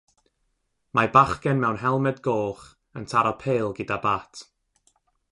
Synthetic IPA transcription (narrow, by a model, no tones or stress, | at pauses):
mabaχkɛnmɛwnɦɛlˠmɛdɡoːχ | əntʰaɾɔpʰeːlˠɡɪdabaːtʰ